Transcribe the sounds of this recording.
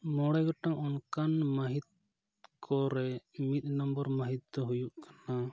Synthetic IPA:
mɔɽajɡɔʈaŋɔnkanmaɦit̪̚ | kʰɔɾɛmit̪̚ˀnɔmbɔɾmaɦit̪̚ɔɦujuʔkḁna

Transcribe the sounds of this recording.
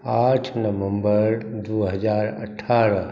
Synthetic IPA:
aːʈʰnəʋə̃mbəɾd̪uɦəd͡ʒaːɾə̰ʈʰːaːɾə

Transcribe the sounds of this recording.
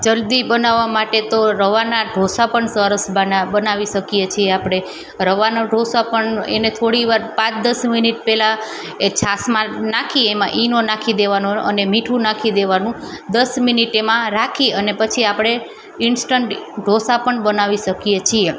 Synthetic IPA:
d͡ʒəld̪ibənaʋːamaʈet̪oɾəʋanaɖʱosapəɳsəɾəsbbənaʋiʃəkijet͡ʃʰieapɽ̃e | ɾəʋanaɖʱosapəɳḛnet̪ʰoɽiʋaɾpãt͡ʃd̪əsminiʈ̚pɛla | et͡ʃʰasmãnakʰiemã̰ʔinonakʰid̪eʋanoə̰nemiʈʰũnakʰid̪eʋanũ | d̪əsminiʈemãɾakʰiənepət͡ʃʰiapɽ̃e | insʈəɳʈɖʱosapəɳbənaʋiʃəkijet͡ʃʰie

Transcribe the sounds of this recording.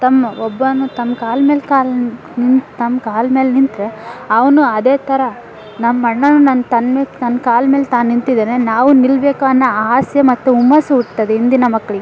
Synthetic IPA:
t̪ɐmːɐɔbːɐnut̪ɐmːkaːlme̞ːlkaːl | nint̪ɐmːkaːlmeːlenint̪ɾeɐʋɐnuɐd̪eːt̪ʰɐɾɐ | nɐmːɐɳːɐnːunɐnt̪ɐnmeːnɐnːkaːlme̞ːlt̪aːnːint̪id̪ɐnenaːʋunilbeːkaɐnːɐaːsjɐmɐt̪ːuumːɐsɐuʈt̪ɐd̪eind̪inɐmɐkːɐɭiɡ

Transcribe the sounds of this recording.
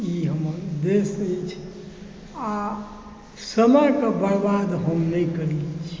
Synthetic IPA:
jiɦəməɾd̪esət͡ʃʰ | a | səmakəbəɽbad̪ɦəmnəikəɾilit͡ʃʰi̥

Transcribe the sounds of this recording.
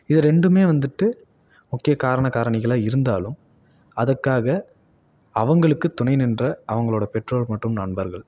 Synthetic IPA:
ɪðɯɾɛɳɖɯmeːʋɐnd̪ɯʈːɯ | mʊkːɪjɐkaːɾɐɳɐkaːɾɐɳɪɣɐɭaːɪɾɯnd̪a̰ːlɯm | ɐðɐkːaːɣɐ | ɐʋɐŋɡɐɭɯkːɯt̪ʊɳɐɪnɪndrɐʔɐʋɐŋɡɐɭoːɽɐpɛʈroːlmɐʈːɯmnɐɳbɐɾɣɐɭ

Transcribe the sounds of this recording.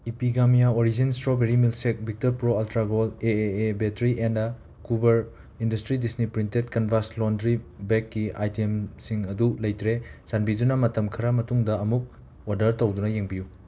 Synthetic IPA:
ipiɡamijaoɾizinstɾobeɾimilsek̚bʱik̚toɾpɾoɐltɾaɡoleeebetɾiʔenda | kubɐɾ | indɐstɾidisnipɾintet̚kɐnbʱaslondɾibekːia̰jtemsiŋɐdulɐjtɾesanbidunɐmɐtɐmkʰɐɾɐmɐtuŋdɐɐmuk̚ | odɐɾtɐwdunɐjeŋbiju

